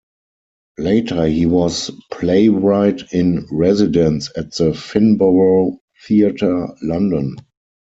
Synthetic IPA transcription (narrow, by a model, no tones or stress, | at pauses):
leɪtʰə˞hiːwɔspʰleɪɹaɪtɪ̃nɹɛzɪdə̃nsæt̚ðəfɪ̃nboə | θiatʰə˞lãndɔ̃n